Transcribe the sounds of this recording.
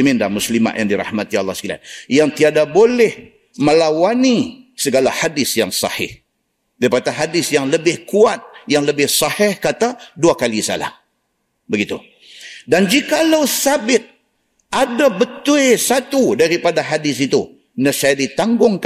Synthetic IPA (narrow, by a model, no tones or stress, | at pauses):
mindamuslima̰ʔ̪ja̰ŋdiɾɑ̰hmat̪ia̰lˠːɑskila̰n̚jaŋt̪iadabolɛh | məlawanisəɡalahadɪsjaŋsɑ̰hɪ̰h | daipat̪aɦadɪsjaŋləbɪhkuat̪̚jaŋləbɪhsɑhɪhkat̪aduakalisa̰la̰h | bəɡit̪ṵ | dand͡ʒikalawsabɪt̪̚ | adabət̪uesat̪udaɾipadaɦadɪsit̪u | nəsajadit̪aŋɡʊŋk